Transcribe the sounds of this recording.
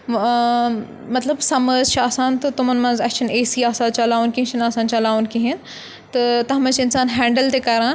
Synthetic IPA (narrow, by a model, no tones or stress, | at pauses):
mɐt̪lɐbsɐməzt͡ʃʰaːsãːnt̪ɐt̪ʊmɐnmɐ̃nzɐt͡ʃʰɐneːsiaːsãːt͡ʃɐlaːʋunkĩɦt͡ʃʰɐnaːsaːnt͡ʃɐlaːʋunkĩɦin | t̪ɐt̪ɐɦmɐ̃t͡ʃɪnsaːnɦɛ̃ːɳɖəlt̪ekɐɾãː